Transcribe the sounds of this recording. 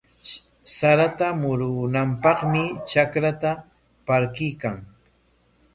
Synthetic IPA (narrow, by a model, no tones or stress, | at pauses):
saɾat̪amʊɾʊnampɑχmɪt͡ʃakɾat̪a | paɾkɪjkaŋ